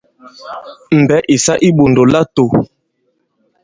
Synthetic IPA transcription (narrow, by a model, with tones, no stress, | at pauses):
m̩˨bɛ˨˦ʔi˨sa˦ʔi˦ɓo˨ndo˨la˦to˨